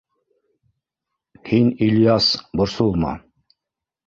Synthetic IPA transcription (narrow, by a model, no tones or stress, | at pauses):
hinilʲjasbŏɾsulˠmɑ̰